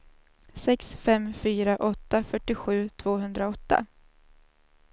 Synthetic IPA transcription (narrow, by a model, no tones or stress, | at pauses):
sɛksfɛmːfyːɾaʔɔt̪ːafœʈːɪɧʉ̟ːt̪ʰv̥oːɦɵnd̪ɾaɔt̪ːa̰